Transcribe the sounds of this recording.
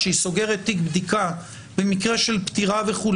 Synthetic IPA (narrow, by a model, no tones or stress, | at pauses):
eiso̞ɡe̞ʁet̪ːikbd̪ika | be̞mikʁeʃelpt̪iʁave̞χul